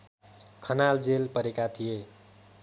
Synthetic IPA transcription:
kʰʌnald͡zelpʌɾekat̪ʰije

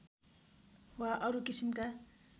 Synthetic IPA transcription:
waʔʌɾukisimka

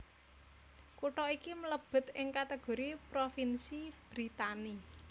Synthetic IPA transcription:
kuʈɔikimələb̥ə̤t̪ɪŋkat̪eɡ̥o̤ɾipɾofinsib̥ɾit̪ani

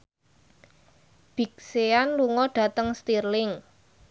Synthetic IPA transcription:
b̥i̤k̚seanluŋɔɖ̥ä̤t̪əŋst̪irlɪŋ

